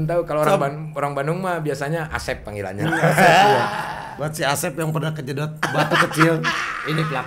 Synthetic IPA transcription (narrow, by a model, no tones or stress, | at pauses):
nt̪aukalooɾaŋba | oɾaŋbandʊŋmabiasaɲaʔa̰sɛpːaŋila̰ɲa̰asɛja | baət̪siasɛpjaŋpərnahkəd͡ʒədɔt̪̚bat̪ukət͡ʃilinipəla